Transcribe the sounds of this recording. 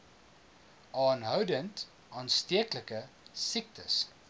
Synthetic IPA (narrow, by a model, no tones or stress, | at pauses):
ʔɑːnɦœwdənt | ʔɑːnstiəkləkəsik̚tə̰s